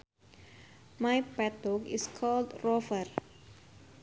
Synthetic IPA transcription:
majpɛtɔkɪskʰɔldɹɔfər

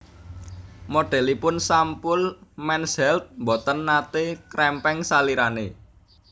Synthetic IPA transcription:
moɖ̥ɛ̤lipʊnsampʊlmɛnsɛlt̪̚mbɔt̪ənːat̪ekɾɛmpɛŋsaliɾane

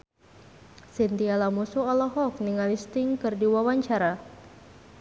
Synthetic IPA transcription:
sint̪ialamusuɔlɔɦɔk̚niŋalist̪ɪŋkɨrdiwawaɲt͡ʃaɾa

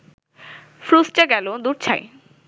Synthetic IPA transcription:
fɾusʈaɡɛlod̪uɾt͡ɕʰae

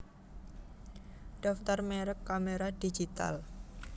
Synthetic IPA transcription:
ɖ̥ɔft̪ɔrmeɾəkːameɾadid͡ʒit̪a̰l

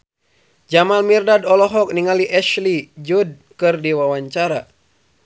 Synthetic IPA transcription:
d͡ʒamalmirdadɔlɔɦɔk̚niŋaliʔɛʃlid͡ʒud̚ | kɨrdiwawaɲt͡ʃaɾa

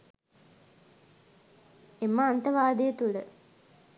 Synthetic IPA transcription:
emːəant̪əʋaːd̪ejət̪uɭə

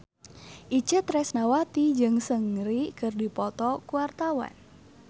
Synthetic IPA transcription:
ʔit͡ʃət̪ɾɛsnawat̪id͡ʒɨŋsəŋɾikɨrdipɔt̪ɔkuwart̪awa̰n

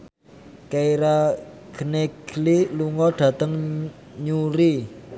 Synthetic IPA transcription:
keiɾaɡ̥əneɡ̥liluŋɔɖ̥ä̤t̪əŋ | ɲuɾi

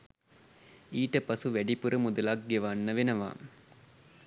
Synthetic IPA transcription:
iːʈɐpɐsuʋæɖipuɾɐmud̪ɐlak̚ɡeʋanːɐʋenɐʋa̰ː

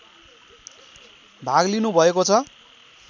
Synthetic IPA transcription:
bʱaɡlinubʱʌekot͡sʰʌ

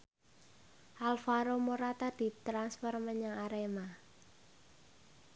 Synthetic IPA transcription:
ʔalfaɾomoɾat̪ad̥i̤t̪ɾanspɔrməɲaŋaɾema

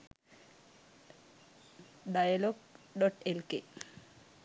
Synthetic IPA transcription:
ɖajaloɡɖɔʈelke

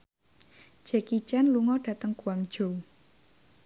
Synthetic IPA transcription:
ʒ̥ɛkit͡ʃanluŋɔɖ̥ä̤t̪əŋkuwaŋd̥ʒ̥o̤

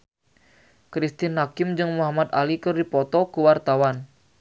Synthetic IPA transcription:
kɾist̪inakɪmd͡ʒɨŋmuɦamat̪alikɨrdipɔt̪ɔkuwart̪awan

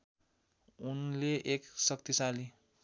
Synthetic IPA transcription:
unleʔeksʌk̚t̪isali

